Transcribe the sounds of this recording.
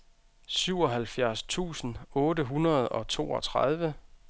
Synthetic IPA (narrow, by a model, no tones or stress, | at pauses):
syʊ̰ɒ̽ɦælfjæɐst͡sʰṵːsn̩ɔ̽ːdəɦunɐð̞ˠɒ̽t͡sʰo̝̰ːɒ̽t͡sʰʁɑð̞ˠʋə